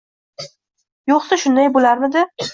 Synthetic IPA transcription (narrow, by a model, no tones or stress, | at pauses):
joqsaʃʊnd̪ajbolaɾmɪd̪ɪ